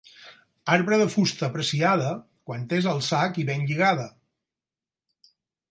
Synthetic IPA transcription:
aɾβɾəðəfust̪əːpɾəsiaðə | kwant̪ezəlˠsakiβenʎiɣaðə

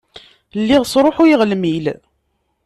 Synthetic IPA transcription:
lːiʁsɾˤoħujiʁlmil

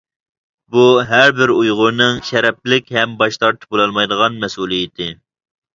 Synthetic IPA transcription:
buɦæɾbɪɾujʁʊɾnɨŋʃɛɾɛp̚lɪkʲɦɛmbɑʃt̪ʰɑɾt̪ʰɨ̥bolˠɑlˠmɑjd̪əʁɑnmɛsulˠijɪt̪ʰɪ

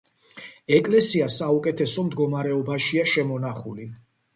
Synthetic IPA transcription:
ɛkʼlɛsiasaukʼɛt̪ʰɛsɔmd̪ɡɔmaɾɛɔbaʃiaʃɛmɔnaχuli

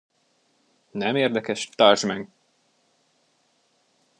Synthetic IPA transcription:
nɛmeːrd̪ɛkɛʃt̪arʒmɛŋ

